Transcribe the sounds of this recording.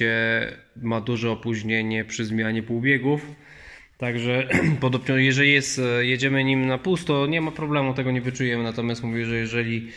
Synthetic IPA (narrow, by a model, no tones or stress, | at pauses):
ɛ | mad̪uʐɛɔpuʑɲeɲɛpʂɘzmʲjaɲɛpuwbʲjɛɡuf | t̪aɡʐɛpɔd̪ɔbɲɔjɛʐɛlʲijɛst̪jɛd͡ʑɛmɘɲimnapust̪ɔɲɛmapɾɔblɛmut̪ɛɡɔɲɛvɘt͡ʂujɛmɘnat̪ɔmʲjast̪muvʲɛʐɛjɛʐɛlʲi